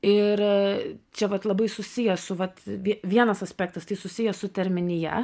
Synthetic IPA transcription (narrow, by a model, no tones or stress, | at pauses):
ɪɾt͡ʃʲɛʋɐt̪lˠɐbɐɪsʊsʲijɛsʊʋɐt̪ʋʲiɛʋʲiɛnɐsɐsʲpʲæːkt̪ɐst̪ɐɪsʊsʲijɛsʊt̪ʲɛɾʲmʲɪnʲɪjɛ̰